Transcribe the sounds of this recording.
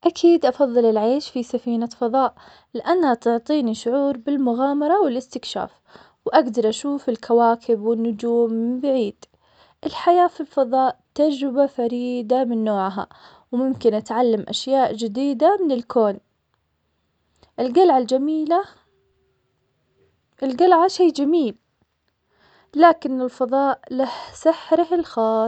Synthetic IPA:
ʔakʰiːd̪ʔɑfɑðˤːɨlɪlʕeːʃfisafiːnafɑðˤɑːʔ | lɪʔanːhat̪ʊʕt̪ˤiːniʃʊʕuːɾbɪlmʊɣaːmɑɾˤɑwɪlɪst̪ɪkʃa̰ːf | wʔaɡd̪ɑɾˤʔaʃuːfɪlkʰawaːkʰɪbwɪnːʊd͡ʒuːmːbaʕiːd̪̥ | ʔɪlħajaːfilfɑðˤɑːʔt̪ad͡ʒɾɪbafaɾiːd̪amɪnːoːʕɦa̰ | wmʊmkɪnʔat̪ʕalːamʔa̰ʃjaːʔd͡ʒɪd̪iːd̪amɪnɪlkoːn | ʔɪlɡalʕald͡ʒamiːla | ʔɪlɡalʕaʃeːd͡ʒamiːl | laːkɪnɪlfɑðˤɑːʔlahsɪħɾɪhɪlxɑː

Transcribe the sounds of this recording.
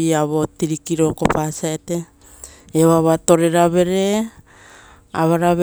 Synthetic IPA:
iaβotiɾikiɾo̞ko̞pasaete̞ː | waβato̞ɾe̞ɾaβe̞ɾe̞ | a̰βaɾaβ

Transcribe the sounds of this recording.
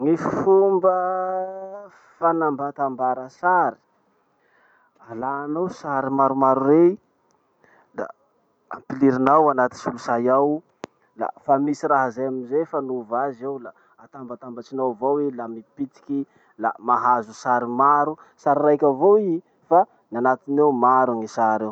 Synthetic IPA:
ŋifumbə | fanambat̪ambaɾəsaɾi̥ | alanowsaɾimaɾumaɾuɾe | la̰ | a̰mpiliɾinawanat̪insulusajaw | la̰famisiraɦazajaminzefanuvazewla | at̪ambat̪ambat͡ʃinawvowilamipit̪i̥kʲi | lamaɦazusaɾimaɾu | saɾirajkʲavoi | fa | nanat̪inewmaɾaŋisaɾew

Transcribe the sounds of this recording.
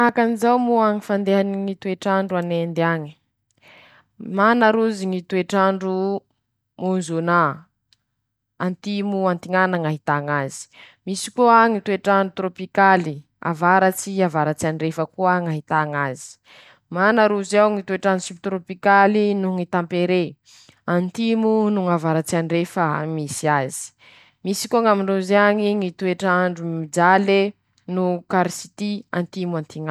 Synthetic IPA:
akanizawmuaŋifand̪eɦaniŋit̪ueʈ͡ʂaɳɖ͡ʐuanend̪aɲi̥ | manaɾuziŋit̪ueʈ͡ʂaɳɖ͡ʐu | monzona | ant̪imuant̪iŋanaŋaɦit̪aŋazi̥ | misi̥kuaŋit̪ueʈ͡ʂaɳɖ͡ʐut̪ɾopikali | a̰vaɾat͡siavaɾat͡sianirefəkuəŋaɦit̪aŋazi̥ | manaɾuzawŋit̪ueʈ͡ʂanusibit̪ɾopikalinuŋit̪ampeɾe | ant̪imunuŋavaɾat͡sianirefəmisiazi̥ | misi̥kuaŋamiɳuzeaŋiŋit̪ueʈ͡ʂaɳɖ͡ʐumid͡ʒale | nukaɾisi̥t̪ia̰nt̪imuant̪iŋa

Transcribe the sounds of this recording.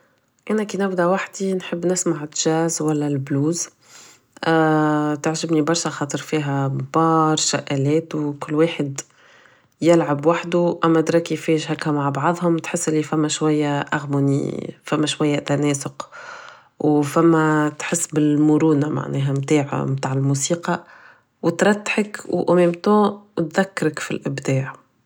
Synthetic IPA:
ʔænækiːnɪbd̪æwaħd̪inħəbːnɪsmaʕɪt̪ʒ̥æːzwælːælbluːz | t̪aʕʒɪbnibɑɾˤʃæxɑːt̪ˤɨɾˤfiːɦæbɑːɾˤʃaʔælɛːt̪wkʊlːweːħɪd̪ | jɪlʕabwaħd̪uʔæmːæd̪ɾˤɑkifiːʒɦækːæmaʕbɑʕðˤhʊmt̪ħɪsːʔɪlːifæmːæʃwæjːæʔaɣmunḭfæmːæʃwæjːæt̪ænɛːsʊq | wfæmːæt̪ħɪsːbɪlmʊɾuːnama̰ʕnɛ̰ːɦæmt̪aːʕa̰mt̪aːʕɪlmuːsiːqɑ | wɪt̪ɾˤɑt̪ːħəkwʔʊmɛːmt̪õːwt̪ðækːɑɾəkfḭlʔɪbd̪eːʕ

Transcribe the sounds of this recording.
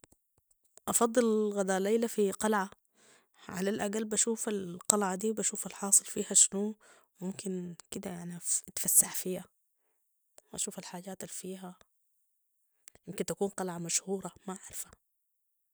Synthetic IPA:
ʔɑfɑd̪ˤːɨlɣad̪aːlːejlafiqɑlʕa | ʕa̰lalʔaɡalbaʃuːfalqɑlʕad̪iːwbaʃuːfalħɑːsˤɨlfiːhaʃnuː | wmʊmkɪnkɪd̪ajaʕnit̪fasːaħfiːha | wʔa̰ʃuːfalħaːɟaːt̪alfiːɦa | jɪmkɪnt̪akuːnqɑlʕamaʃhuːɾˤɑmaʔaʕɾfḁ

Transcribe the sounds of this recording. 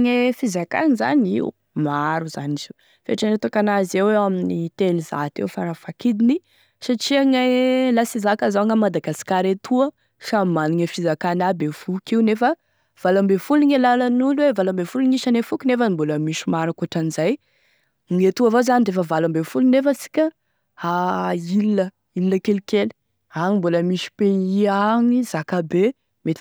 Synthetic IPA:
ŋefizaka̰niza̰niṵ | maɾuza̰nizu̥ | fḛʈ͡ʂanet̪ukanazeweaminit̪eliza̰t̪ḛwfaɾafakid̪ini | saʈ͡ʂiaŋelasizakazaŋamad̪aɡasi̥kaɾet̪ʰuə | ʃamaniŋəfizakanabefukiunefə | v̥alambefuluiŋelalanulwevalambefuluŋiʃanefukinefəimboləmiʃimaɾakuaʈ͡ʂanizaj | ŋet̪uavozanid̪efəvalambefulunefəsi̥kʲə | ailiə | ilːəkelikeli̥ | aŋimboləmiʃi̥peɲiaŋizakabe | met̪

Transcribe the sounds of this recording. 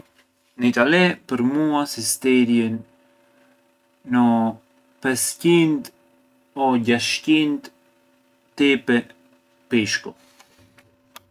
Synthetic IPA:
nəit̪alɛpəɾmuasist̪ɛɾjən | ɔ | pɛscint̪ | ɔɟaʃcint̪ | t̪ɛpɛ | piʃkɔ

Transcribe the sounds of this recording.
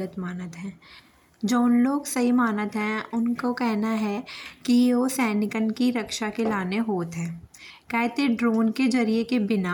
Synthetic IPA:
ət̪maːnət̪ɦɛ̃ː | d͡ʒoːnloːɡsɐɦimaːnət̪ɦɛ̃ʊnkokɛɦnaɦɛkijosɛːnɪkənkiɾɐkʃakelaːneɦoːt̪ɦɛ̃ː | kɛːt̪eɖɾoːnked͡ʒɐɾiekebɪna

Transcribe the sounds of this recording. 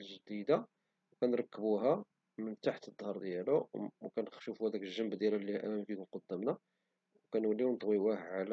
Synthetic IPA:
lʒd̪id̪a | wkænɾˤɑkːəbuɦæ | mənt̪aħət̪əd̪ˤːhɑɾˤd̪jæluwkænʃufuhæd̪ækəlʒːəmbd̪jælælːihʔæmæmfikʊmqod̪ːæmnæ | wkænwəlːiwnt̪ˤwiwæhʕl

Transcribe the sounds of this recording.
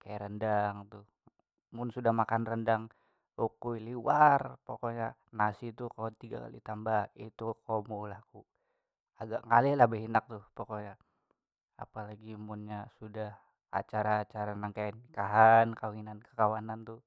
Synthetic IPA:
kajaɾəndaŋt̪u | mʊnsudahmakanrəndaŋ | ukuiliwarpokoɲa | nasit̪ukat̪iɡa̰ka̰lḭt̪ambait̪ukomolaku | aɡaʔŋalɛlahbəɦinak̚t̪upokoɲa | a̰palaɡimunɲasudah | a̰t͡ʃaɾaːt͡ʃaɾanaŋkajanikaɦankawinankə̥kawanant̪u

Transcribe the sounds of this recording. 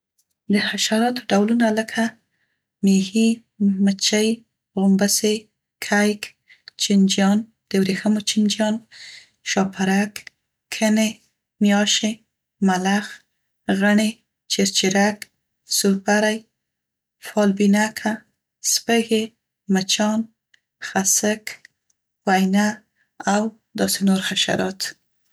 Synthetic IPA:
d̪əhaʃaɾɑt̪o̥ɖawlunaləkʰa | mehi | mət͡ʃaj | ɣʊmbəse | kʰajk | t͡ʃɪnd͡ʒjɑn | d̪̥əwɾexəmot͡ʃɪnd͡ʒjɑn | ʃɑpʰaɾak | kʰːəne | mjɑʃe | malax | ɣəɳe | t͡ʃeɾt͡ʃɪɾak | suɾpaɾaj | fɑlbinakʰa | spəɣe | mət͡ʃɑn | xasək | wajna | aw | d̪ɑsenoɾxaʃa̰ɾɑt̪

